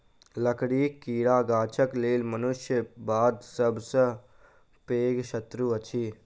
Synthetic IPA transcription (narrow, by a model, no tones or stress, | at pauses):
ləkɽiːkiːɽaːɡaːt͡ʃʰəkleːlmənʊʃjəbaːd̪səbsə | peːɡʃət̪ɾuɐt͡ʃʰiː